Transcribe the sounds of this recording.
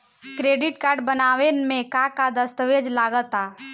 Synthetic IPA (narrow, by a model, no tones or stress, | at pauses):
kɾeːɖɪʈkaːɾɖbənaːʋenmẽkakad̪əst̪əʋed͡ʒlaːɡət̪aː